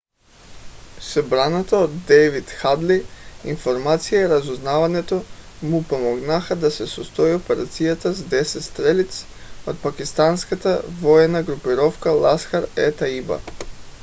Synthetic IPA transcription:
sɔbɾanat̪aod̪ːɛvit̪xad̪liinfoɾmat̪sijaiɾazuznavaɲɛt̪o | mupomɔɡnaxad̪asɛsɔst̪oiopɛɾat̪sijat̪azd̪ɛsɛt̪st̪ɾɛlit̪s | ot̪̚pakist̪anskat̪avɔɛnaɡɾupiɾɔfkalˠasxaɾɛt̪aiba̰

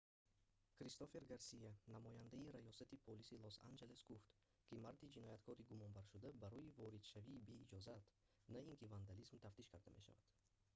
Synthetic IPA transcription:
kɾist̪ofe̞ɾɡaɾsijanamɔjand̪aiɾajɔsat̪ipʰolisilosa̰nd͡ʒe̞le̞sɡuft̪ | kimaɾd̪id͡ʒinɔjat̪kʰɔɾiɡumɔnbaɾʃud̪abaɾɔivɔɾid̪ʃaviːbe̞id͡ʒɔzat̪ | naiŋkʰivand̪alizmt̪ʰaft̪iʃkʰaɾd̪a̰meʃa̰va̰d̪̥

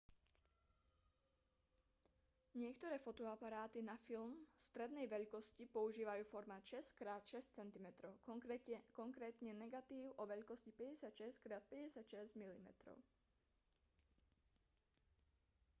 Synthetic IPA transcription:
ɲɪɛkt̪ɔɾɛːfɔt̪ɔapaɾaːt̪inafilmst̪ɾɛd̪nɛjʋɛʎkɔscipɔuʒiːʋajuːfɔɾmaʃɛskɾaːt̪ʃɛst͡sɛnt̪imɛt̪ɾɔʊkɔŋkɾɛːt̪ɲɛnɛɡat̪iːʊʔɔʋɛʎkɔscipɛɟɛsɪat̪ʃɛskɾaːt̪̚pɛɟɛsɪat̪ʃɛzɟmilimɛ̰t̪ɾɔ̰ʊ

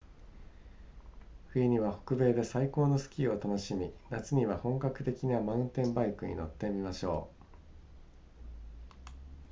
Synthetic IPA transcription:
ɸɯ̟iɲ̟iβaho̞̥kɯ̟be̞ːd̪e̞saiko̞ːno̞sɨ̥kʲio̞t̪ano̞ɕimʲinat͡sɨɲ̟iβahõ̞ŋkakɯ̟̥t̪e̞kʲinamaɯ̃nt̪ẽ̞mbaikɯ̟ɲ̟ḭno̞̰t̪ːe̞mʲimaɕo̞̰ː

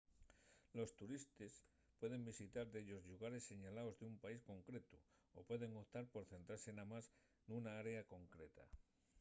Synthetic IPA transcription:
lo̞st̪uɾist̪es | pwe̞ðe̞mbisit̪aɾðeʎo̞zʎuɣaɾe̞sːe̞ɲalaozðeumpaisko̞ŋkɾe̞t̪u | opwe̞ðe̞ŋot̪aɾpo̞ɾθe̞nt̪ɾaɾsenamas | nunaaɾe̞ako̞ŋkɾet̪a̰

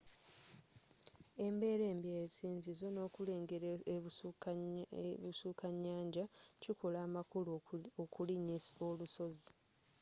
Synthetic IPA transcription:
e̞mbe̞ːɾe̞ːmbjesiːnzizo̞no̞ːkuleːŋɡeɾeu | βusuːkaɲːaːɲɟaciko̞laːmakulokuliɲisoluso̞zi

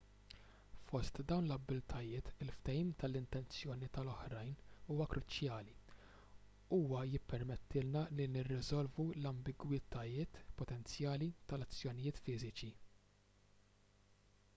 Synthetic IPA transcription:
fɔst̪d̪ɐwnlɐbːɪlt̪ʰɐjɪːt̪ɪlft̪ɛjiːmt̪ɐlɪnt̪ɛnt͡sjɔːnit̪ɐlɔħɾɐjnuːwɐkɾʊt͡ʃjɐːli | uːwɐjɪpːɛɾmɛt̪ʰːɪlnɐlinɪrːɪzɔlvulɐmbɪɡwɪt̪ʰɐjɪːt̪pɔt̪ɛnt͡sjɐːlit̪ɐlɐt͡sːjɔnɪjɪːt̪fɪːzɪt͡ʃi

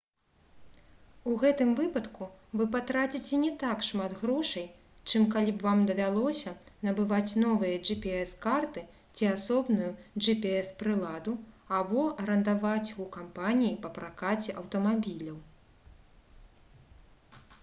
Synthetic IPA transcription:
uɣɛt̪ɨmvɨpɐt̪kuvɨpat̪ɾat͡sʲit͡sʲɛnʲɛt̪akʂmad̪ɣɾɔʂɐj | t͡ʂɨmkalʲibvamd̪ɐvʲalˠɔsʲɐnɐbɨvat͡sʲnɔvɨjɐʐɨpʲiɛskart̪ɨ | t͡sʲiasɔbnujud͡ʐɨpʲiɛspɾɨlˠad̪u | abɔɾɐnd̪avat͡sʲukampanʲijipɐpɾakat͡sʲɛʔɐwt̪ɐmabʲilʲɐw

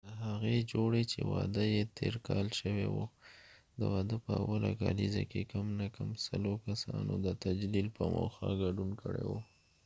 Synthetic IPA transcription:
d̪əɦaɣed͡ʒoɽet͡ʃewɑd̪əjet̪ʰeɾkɑlʃəwewo | d̪əwɑd̪əpəawalaɡɑlizakekamnakamsalokasɑnod̪ət̪ad͡ʒlilpəmoxaɡaɖunkəɽewo

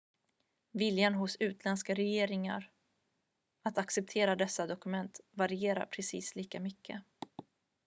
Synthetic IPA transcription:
vɪljanɦʊsʉ̟ːt̪ʰlɛnskaɾɛjeːɾɪŋa̰ɾ | at̪aksɛp̚t̪ʰeːɾad̪ɛsːad̪ɔkɵmɛnt̪vaɾɪeːɾa̰ɾpʰɾɛsḭːsliːkamʏkʰːə̰

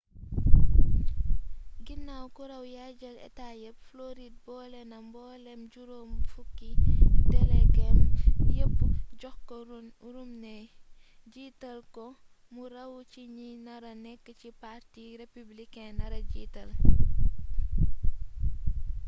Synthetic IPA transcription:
ɡinːawkuɾɐwjaɟɐlɛ̰tajəp̚floɾid̚bɔːlɛnɐmbɔːlɛmɟuɾoːmfukːitɛlɛkɛmjəpːɟɔxkɔ | ɾumnɛ | ɟiːtɐlkɔ | murɐwciɲinɐɾɐnɛkːəcipartiːɾepublikɛnɐɾɐɟiːtɐl

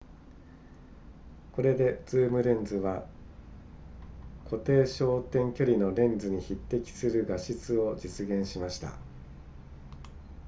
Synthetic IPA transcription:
ko̞ɾe̞d̪e̞d͡z̥ɨːmɯ̟ɾẽ̞nd͡zɨβa | kʰo̞t̪e̞ːɕo̞ːt̪ẽ̞ŋkʲo̞ɾʲino̞ɾẽ̞nd͡zɨɲ̟içit̪ːe̞kʲi̥sɨɾɯ̟ɡaɕit͡sɨo̞d͡ʑit͡sɨɡẽ̞ɰ̃ɕimaɕi̥t̪a̰

